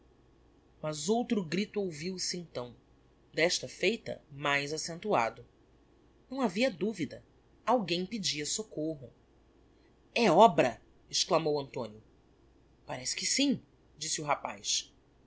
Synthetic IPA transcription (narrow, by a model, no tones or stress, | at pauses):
mɐzowt̪ɾʊɡɾit̪ʊowviwsɪẽnt̪ɐ̃w̃ | d̪ɛʃt̪ɐfejt̪ɐ̰majzasẽnt̪ua̰d̪ʊ | nɐ̃w̃aviɐd̪uvid̪ɐ | awɡẽj̃pɪd͡ʒiɐsokoɦʊ | ɛɔbɾɐ | ɪʃklamowɐ̃nt̪õ̰njʊ | paɾɛsɪ̥kɪsĩ | d͡ʒisɪuɦapa̰js